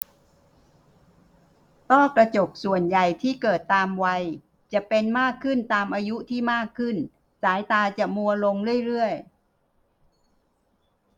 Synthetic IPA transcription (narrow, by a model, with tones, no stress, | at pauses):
t̪ɔː˥˩kɾa˧t͡ɕo˨˩k̚su˨˩ənja˨˩jt̪ʰiː˥˩kɤː˨˩t̪ːaː˧mwa˧j | t͡ɕa˨˩ʔpe˧nmaː˥˩kʰːɯ˥˩nt̪aː˧mʔaː˧ju˦˥t̪ʰiː˥˩maː˥˩kʰːɯ˥˩n | saː˩˦jt̪aː˧t͡ɕa˨˩mu˧ɐlo˧ŋɾɯ˥˩əjɾɯ˥˩əj